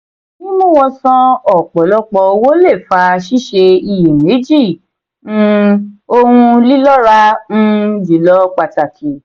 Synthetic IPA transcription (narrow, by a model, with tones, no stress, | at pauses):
nĩ˦mũ˦w̃ɔ̃˧sɔ̃˧ɔ˨k͡pɔ˨lɔ˧˦k͡pɔ˧wo˦le˦˨fa˧ʃi˦˨ʃe˧i˧˨je˨me˨˦d͡ʒi˦˨ | nũ˧o˧hũ˧li˦lɔ˦ɾa˦n̩˦d͡ʒi˨lɔ˦k͡pa˧˨ta˨kʰi˨˦